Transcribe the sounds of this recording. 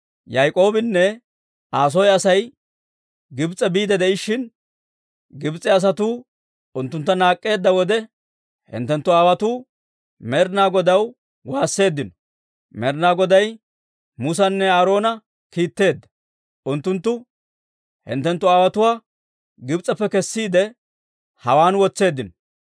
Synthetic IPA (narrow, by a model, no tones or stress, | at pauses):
jajkʼo̞ːbɪnːɛ | aːs̬ɔjɐsɐj | ɡɪbt͡sʼːɛbiːd̪ɛd̪ɛʔɪʃːɪn | ɡɪbt͡sʼːɪɐs̬ɐt̪uː | ʊnt̪ːʊnt̪ːɐnaːkʼːe̞ːd̪ːɐwɔd̪ɛ | hɪ̰nt̪ːɛnt̪ːʊaːwɐt̪uː | mɛɾnaːɡɔd̪ɐw | waːsːe̞ːd̪ːɪnɔ̥ | mɛɾnaːɡɔd̪ɐj | mʊs̬ɐnːɛaːɾo̞ːnɐ | kiːt̪ːe̞ːd̪ːɐ̥ | ʔʊnt̪ːʊnt̪ːʊ | hɪ̰nt̪ːɛnt̪ːʊaːwɐt̪ʊwaː | ɡɪbt͡sʼːɐpːɛkɛsːiːd̪ɛ | hɐwaːnwɔt͡sːe̞ːd̪ːɪnɔ̥